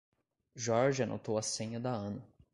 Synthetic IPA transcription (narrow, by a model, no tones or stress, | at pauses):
ʒɔɾʒanʔo̰t̪owɐsẽɲɐd̪ɐɐ̃nɐ